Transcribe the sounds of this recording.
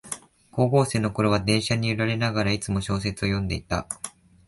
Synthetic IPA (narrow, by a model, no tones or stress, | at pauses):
ko̞ːɡo̞ːse̞ːno̞ko̞ɾo̞βad̪ẽ̞ɰ̃ɕaɲ̟iɯɾaɾe̞naɡaɾait͡sɨmo̞ɕo̞ːs̬e̞t͡sɨo̞jõ̞nd̪e̞̰it̪a̰